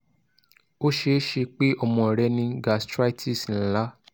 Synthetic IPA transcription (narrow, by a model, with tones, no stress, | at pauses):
o˦ʃe˧˦ʃe˧k͡pe˦ɔ˦˨mɔ̃˧˨ɾɛ˧nĩ˧˦ɡa˧˨stɾa˦tʰi˦˨sn̩˨˦la˦